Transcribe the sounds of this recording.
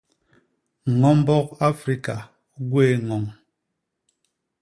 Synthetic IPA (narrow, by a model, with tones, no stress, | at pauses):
ŋɔ˨˦m˦bɔ˦k̚a˦fɾi˦ka˨ | ɡwe˦˨ŋɔ˨ŋ